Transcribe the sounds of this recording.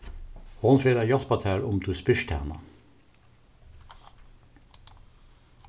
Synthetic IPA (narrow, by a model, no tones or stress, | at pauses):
honfeːɾɑjɑt̪pɑt̪ʰæːɹʊmt̪ʰuːspɪʃtʰæ̰ːʁnɑ̰